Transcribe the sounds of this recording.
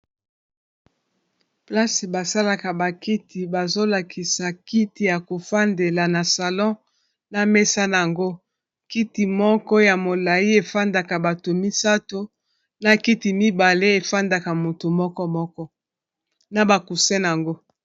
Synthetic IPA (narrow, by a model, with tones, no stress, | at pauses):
pla˦si˨ba˨sa˦la˨ka˨ba˨ki˦tʰi˨ba˨zo˦la˨kʰi˨sa˨ki˦ti˨ja˨ko˨fa˦nde˨la˨na˨sa˨lɔ̃˦ | na˨me˦sa˦n˨a˨ŋɡo˦ | ki˦ti˨mɔ˦kɔ˦ja˨mo˨la˨i˦e˨fa˦nda˨ka˨ba˨to˨mi˦sa˦to˦ | na˨ki˦ti˨mi˦ba˨le˦e˨fa˦nda˨ka˨mo˨to˨mɔ˦kɔ˦mɔ˦kɔ˦ | na˨ba˨ku˨sɛ˦n˨a˨ŋɡo˦